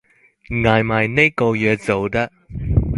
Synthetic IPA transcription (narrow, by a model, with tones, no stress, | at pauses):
ŋaː˨jmɐ˨˩jne˥ko˧jœː˨˧t͡so˨wt̪ɐ˥